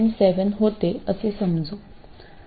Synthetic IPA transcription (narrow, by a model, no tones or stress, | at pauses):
nsɛʋənɦot̪eəsesəmd͡zo